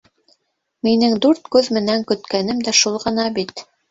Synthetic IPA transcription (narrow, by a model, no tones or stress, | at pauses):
minɘŋd̪uɾt̪kʉðmɘ̆næŋkɵ̆t̪kænɘmd̪æʃulˠʁɤ̆nɑbit̪